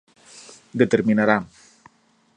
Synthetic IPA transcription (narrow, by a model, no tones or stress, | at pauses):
d̪et̪eɾminaɾa